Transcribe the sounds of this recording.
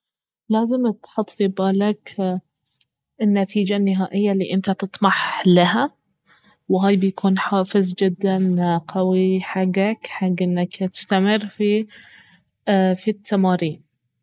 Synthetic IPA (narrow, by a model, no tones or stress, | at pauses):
laːzɪmt̪ħʊt̪ˤːfibaːlak | ɪnːat̪iːd͡ʒanːɪɦaːʔɪjːalḭːʔɪnt̪at̪ɨt̪ˤmɑħlaha | wɦaːjbɪjakʰuːnħaːfɪzd͡ʒɪd̪ːanqawiħaɡːakħaɡːʔɪnːakt̪ɪ̥st̪amɪrːfi | fit̪ʰːamaːɾiːn